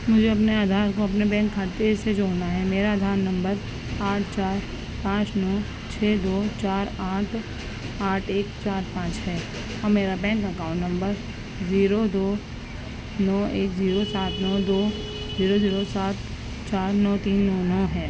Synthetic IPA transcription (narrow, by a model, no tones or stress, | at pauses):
mʊd͡ʒʱeɐpneaːd̪ʱaːɾkoɐpnebɛ̃ːŋkʰːaɾt̪esed͡ʒoːnaɦɛmeːɾad̪ʱaːɾnɐ̃mbəɾ | aːʈʰt͡ʃaːɾ | pãːt͡ʃnɔː | t͡ʃʰeːd̪oːt͡ʃaːɾaːʈʰ | aːʈʰeːkt͡ʃaːɾpãːt͡ʃɦɛː | ɔːɾmeːɾabɛ̃ːŋkːɐkaːʊ̃ɳʈnɐ̃mbəɾ | ziːɾod̪oː | nɔːeːkziːɾosaːt̪nɔːd̪oː | ziːɾoziːɾosaːt̪ | t͡ʃaːɾnɔːt̪iːnːɔːnɔːɦɛː